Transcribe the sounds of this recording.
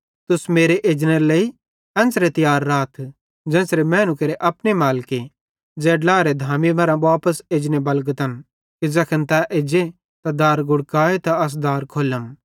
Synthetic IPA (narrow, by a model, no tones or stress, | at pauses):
t̪ʊsmeːɾeʔeːd͡ʒnelei | ɛ̃ːnsɾet̪ɪjaːɾːaːt̪ʰ | d͡zɛ̃ːsɾemɛ̃ːnʊkeːɾeʔɐpnemaːlke | d͡zɛːɖlaːɾed̪ʱaːmimɐɾãbaːpəseːd͡ʒnebɐlɡət̪ɐn | kid͡zɐkʰənt̪ɛʔeːd͡ʒe | t̪ad̪aːɾɡʊɽkaːet̪aɐs̬d̪aːɾkʰoːləm